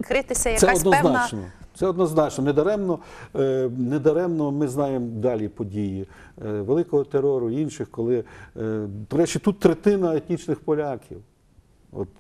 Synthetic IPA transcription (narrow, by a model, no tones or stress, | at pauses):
kɾɪt̪ɪsʲɐjɐsɛɔd̪nɔznt͡ʃnɔ̰t̪sɛɔd̪nɔznɑt͡ʃnɔned̪ɐɾɛmnɔ | ned̪ɐɾɛmnɔmɪznɑjemd̪ɑlʲipɔdʲiji | ʋelˠɪkɔɦɔt̪eɾɔɾʊinʃɪxkɔlˠɪ | d̪̥ɔɾɛt͡ʃit̪ut̪ːɾet̪ɪnɐet̪ʲnʲit͡ʃnɪxpɔlʲakʲḭw | ɔ̰t̪